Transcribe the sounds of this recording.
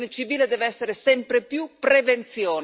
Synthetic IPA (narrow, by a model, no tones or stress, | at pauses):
net͡ʃiviːled̪ɛːvɛsːeɾesɛmpɾepjupɾevent̪sjɔːn